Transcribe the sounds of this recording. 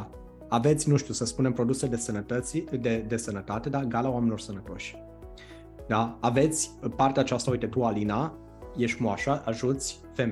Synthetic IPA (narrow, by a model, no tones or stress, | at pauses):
ave̞t̪sʲnuʃt̪ʲiusəspune̞mpɾo̞d̪useld̪esənət̪ət̪sd̪ed̪e̞sənət̪at̪e̞d̪aɡalawamenilo̞rsənət̪o̞ʃʲ | d̪aːve̞t̪sʲpart̪eat͡ʃast̪aujt̪e̞t̪ualina | jeʃt̪moaʃaʔaʒut̪sʲ | fem